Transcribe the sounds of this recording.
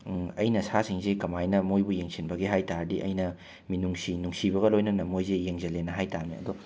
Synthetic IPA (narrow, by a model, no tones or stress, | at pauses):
ɐ̰jnɐsasiŋzekɐmajnɐmojbujeŋsʰinbɐɡiɦajtaɾdiʔɐ̰jnɐ | minuŋsinuŋsibɐɣɐlojnɐnɐmojzejeŋzɐlenɐɦajtamḭɐ̰d̪ɔ